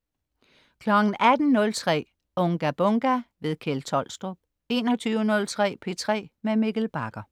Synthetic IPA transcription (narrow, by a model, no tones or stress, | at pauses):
kʰlɒɡ̥n̩æd̥n̩nɔ̽lt͡sʰʁɛ̰ː | ɔ̽ŋɡ̥æb̥ɔ̽ŋɡ̥æʋe̝ðˠkʰelt͡sʰɒ̽l̰sd̥ʁob̥ | e̝ːnɒ̽t͡sʰyːʊənɔ̽lt͡sʰʁɛ̰ːpʰe̝t͡sʰʁɛ̰ːmemeɡ̥l̩b̥ɑ̈ɡ̥ɐ